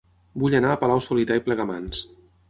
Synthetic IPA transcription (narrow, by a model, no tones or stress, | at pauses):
buʎənaəpəlawsulit̪aiplɛɣəma̰ns